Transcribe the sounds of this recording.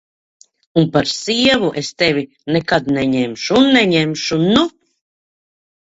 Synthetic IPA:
unpaɾsiɛvuʔest̪evʲi | nɛkad̪nɛɲɛmʃuːnːɛɲɛmʃunu

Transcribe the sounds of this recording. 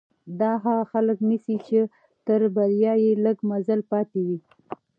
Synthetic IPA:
d̪ɑɦaɣaxaləknisit͡ʃe | t̪əɾbaɾjɑjeləɡmazalpɑt̪ewi

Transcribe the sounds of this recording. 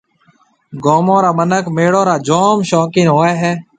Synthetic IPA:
ɡoːmõːɾaːmənəkmeːɽõːɾaːd͡ʒoːmʃoːkĩːnɦoːeːɦɛː

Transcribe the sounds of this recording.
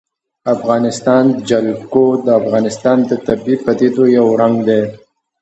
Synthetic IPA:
afɣɑnɪst̪ɑnd̪əd͡ʒalkod̪əafɣɑnɪst̪ɑnd̪ət̪abipat̪it̪ojawɾaŋɡd̪e

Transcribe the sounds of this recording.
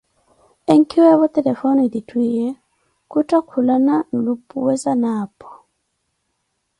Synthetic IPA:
eŋkiwaβɔt̪ɛlɛfɔnɔiditwijɛ | kutakʰulanan̩lupuwɛsanaːpʰɔ̥

